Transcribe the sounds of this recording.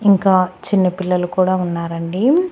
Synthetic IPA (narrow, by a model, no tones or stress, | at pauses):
iŋkaːt͡ʃinːɐpilːɐlukuːɽaːunːaːɾɐɳɖi